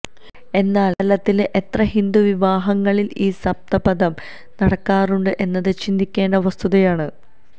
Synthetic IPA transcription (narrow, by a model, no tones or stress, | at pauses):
e̞nːaːllɐt̪ːilʔet̪rɐɦind̪uʋiʋaːɦɐŋːɐɭiliːsɐb̚t̪ɐbɐðɐm | nɐɽɐkːaːruɳɖɨʔe̞nːɐðɨt͡ɕind̪ikʲːe̞ːɳɖɐʋɐst̪ʰuðɐjaːɳɨ